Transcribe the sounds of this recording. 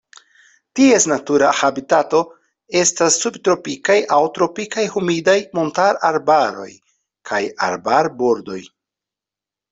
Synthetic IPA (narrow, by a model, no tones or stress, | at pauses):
tiesnatuɾahabitato̞ | e̞stasːubtɾo̞pikajʔawtɾo̞pikajhumidajmontaɾaɾbaɾo̞̰j | kʰaja̰ɾbaɾbo̞ɾdo̞j